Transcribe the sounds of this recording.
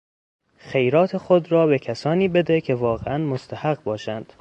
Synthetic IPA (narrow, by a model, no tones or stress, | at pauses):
xe̞jɾɒːt̪ʰe̞xod̪ɾɒːbe̞kʰæsɒːniːbe̞d̪e̞cʲʰe̞vɒːɣḛʔænmost̪ʰæhæɢbɒːʃænd̪̥